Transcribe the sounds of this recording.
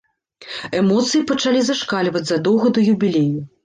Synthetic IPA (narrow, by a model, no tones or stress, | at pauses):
ɛmɔt̪sɨjipɐt͡ʂalʲizɐʂkalʲvɐd͡zʲzɐd̪ɔwɣɐd̪ujubʲilʲeju